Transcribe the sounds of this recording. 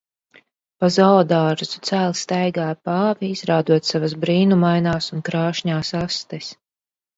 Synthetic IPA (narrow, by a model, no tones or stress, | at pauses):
pazawd̪aːɾzut̪sæːlˠst̪ɛjɡaːpaːviizɾaːd̪uɔt̪savasbɾiːnumajnaːsunkɾaːʃɲaːsast̪ɛs